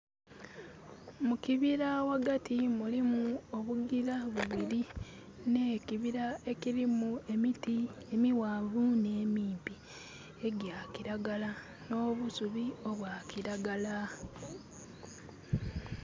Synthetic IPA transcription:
mukiβiɾawaɡatimulimuoβuɡiɾaβuβiɾi | nekiβiɾae̞kiɾimue̞mitiemiwaːvuneːmiːmpi | e̞ɟjakiɾaɡala | no̞ːβusuβio̞βwakiɾaɡala

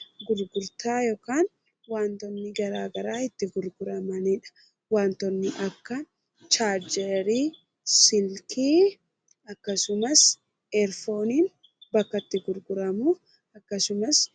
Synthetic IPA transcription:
ɡʊɾɡʊɾt̪aːjoːkaːn | waːnt̪ɔnːɪɡɐɾaːɡɐɾaːɪt̪ːɪɡʊɾɡʊɾɐmɐniᶑɐ̥ | waːnt̪ɔnːɪʔɐkːɐ | t͡ʃaːɾd͡ʒɛɾiː | sɪlkʰiː | ɐkːɐsʊmɐs | ɛɾfo̞ːniːn | bɐkːɐt̪ːɪɡʊɾɡʊɾɐmu | ɐkːɐsʊmɐs

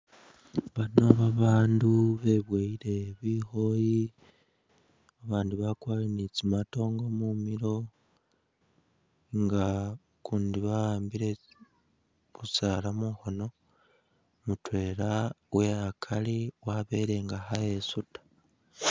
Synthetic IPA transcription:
βano̞βaβaːnduβe̞βweiɾe̞βiːxo̞ji | aβaːnduβakwaːjinit͡simato̞ːŋɡo̞mumiɾo̞ | ŋɡa | kuːndiβaaːmbiɾe̞ | βusalamuxo̞no̞ | mutwe̞ːɾa | weakʰaliwaβe̞ɾe̞ŋɡaxajesutḁ

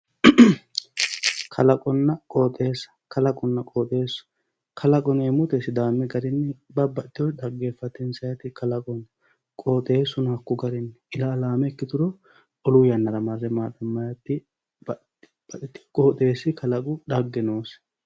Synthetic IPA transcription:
kʰɐlɐkʼɔnːɐkʼoːt̪ʼe̞ːsɐ̥kʰɐlɐkʼɔnːɐkʼoːt̪ʼeːsʊ̥ | kʰɐlɐkʼɔneːmʊt̪esɪd̪aːmːɪɡɐɾɪnːɛbɐbɐt̪ːɪwɔᶑ̪ɐɡːeːfːɐt̪ːɪnsɐjɐt̪ɪkʰɐlɐkʼɔn | kʼoːt̪ʼe̞ːsːʊnɐkːʊɡɐɾɪnːɛɪlaːlaːmɛkːɪt̪ʊɾɔ | ɔlʊjɐnːɐɾɐmɐɾːɛmaːd̪ɐmːɐjɐt̪ːɪ | bɐ | b̥ɐt̪ɪt̪ːɪ̥kʼoːt̪ʼe̞ːsːɪkʰɐlɐkʼʊᶑɐɡːɛnoːs

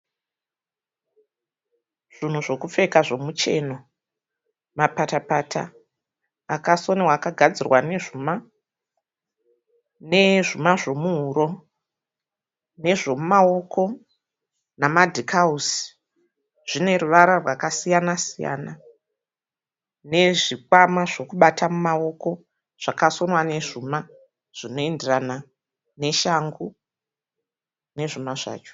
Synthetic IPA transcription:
ʐ̥in̤uʐo̞kufe̞kaʐo̞mut͡ʃe̞no | mapatapatʰa̰ː | kaso̞newaːkaɡʱad͡zirwane̞ʐuma | ne̞ʐimaʐo̞muɦuɾo̞ | ne̞ʐo̞mumao̞kʰo̞ | namadʱikʰausi̥ | ʐ̥ine̞ruʋaɾarwakasijanasija̰ːna | ne̞ʐikwamaʐo̞kuɓatʰamumao̞ko̞ | ʐ̥akaso̞nwane̞ʐuma | ʐ̥ino̞e̞nderana | ne̞ʃaŋɡu | ne̞ʐimaʐa̰ːt͡ʃo̥

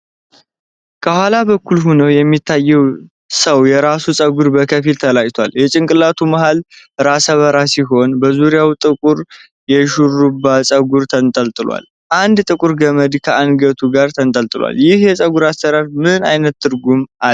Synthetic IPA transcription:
kʰəhwalaβəkːulɦunəwjɛmːit̪ʰːajːɛw | səwjɛɾasusʼəɡuɾbəkʰəfilt̪ʰəlajt̪ʰwaljɛt͡ʃʼɪŋkʼɨlːat̪ʰuməɦal | ɾasəβəɾasiɦo̞nbəzuɾjawt̪ʼɨkʼuɾ | jɛʃurubːasʼəɡuɾt̪ʰənt̪ʼəlt̪ʼɨlwa̰l | ʔand̪t̪ʼɨkʼuɾɡəməd̪kʰəʔanɡət̪ʰuɡaɾt̪ʰənt̪ʼəlt̪ʼɨlwa̰ljɪhjɛsʼəɡuɾast̪əɾaɾmɨna̰jnət̪ːɨɾɡuma

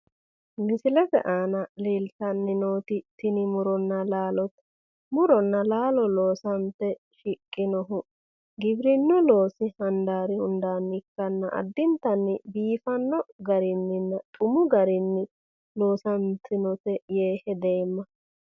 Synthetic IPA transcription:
mɪsɪlɛt̪ɛ̰ʔaːnɐliːlt̪ɐnːɪnoːt̪ɪt̪ɪnɪmʊɾɔnːɐlaːlɔt̪ | mʊɾɔnːɐlaːlɔloːsɐnt̪ɛ | ʃɪkʼːɪnɔɦʊ | ɡɪbɾɪnːɔlo̞ːsɪhɐnd̪aːɾɪhʊnd̪aːnːɪkːɐnːɐʔɐ̰d̪ːɪnt̪ɐnːɪbiːfɐnːɔɡɐɾɪnːɪnːɐt̪ʼʊmʊɡɐɾɪnːɪ | lo̞ːsɐnt̪ɪnɔt̪ɛjeːhɛd̪e̞ːmːɐ

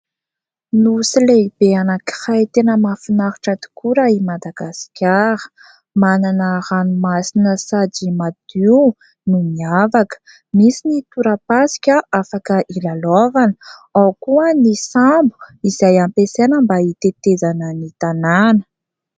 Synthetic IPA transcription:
nusileib̥eanaki̥hajt̪enəmafinaɾu̥ʈ͡ʂat̪i̥kuɾəimad̪aɡ̥askʲaɾə̥ | mananəɾanumasinəsad͡ʒimad̪̥iw | numiavakə̥ | misinit̪uɾəpasi̥kʲəʔafakəʔilalavanəawkuənisambu̥izajampesenəmbait̪et̪ezanənit̪ananə̥

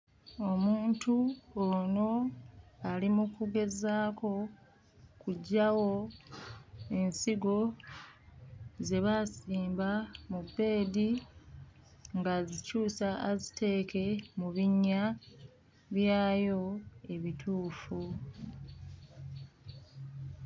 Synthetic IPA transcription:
o̞muːntuono̞ | alimukuɡe̞zaːko̞ | kuɟːawo̞ | e̞nsiɡo̞ | ze̞βasiːmbamubːe̞ːdi | ŋɡazicuːsaːzitʰe̞ːke̞muβiɲːa | βjaːjo̞e̞βitʰuːfu

